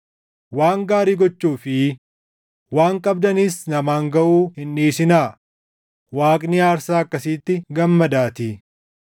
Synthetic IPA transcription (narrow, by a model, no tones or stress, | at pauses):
waːŋɡaːɾiːɡɔt͡ʃːuːfɪ | waːŋkʼɐbd̪ɐnɪsnɐmaːŋɡɐʔuːhɪnːiːsɪnaː | waːkʼnɪaːɾsaːɐkːɐsiːt̪ːɪɡɐmːɐd̪aːt̪i